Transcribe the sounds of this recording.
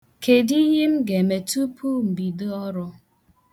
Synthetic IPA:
kʰe˨di˦ji˦m̩˦ɡe˨me˨tu˦pʰu˦m̩˨bi˨dɨ˦ɔ˦ɾʊ˦

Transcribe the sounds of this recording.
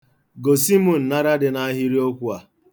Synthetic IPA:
ɡo˨si˦mo˨n̩˨na˦ɾa˦dɪ˨na˦ɦi˦ɾi˦o˦kʷu˦a˨

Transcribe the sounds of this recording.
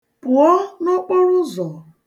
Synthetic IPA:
pʊ˨ɔ˦nɔ˦k͡po˦ɾʊ˦zɔ˨

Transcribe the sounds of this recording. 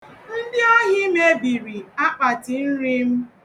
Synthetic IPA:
n̩˦dɪ˦ɔ˦ɦɪ˦me˦bi˨ɾi˨a˦k͡pa˨tɪ˨n̩˦ɾi˦m̩˦

